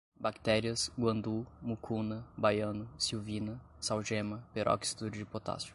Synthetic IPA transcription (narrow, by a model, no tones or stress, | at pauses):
bakt̪ɛɾiɐsɡwɐ̃nd̪umukʰunɐbajɐ̃nʊsiwvĩnɐ | sawʒẽmɐpeɾʔɔ̰ksi̥t̪uɾd͡ʒɪpot̪a̰sʊ̥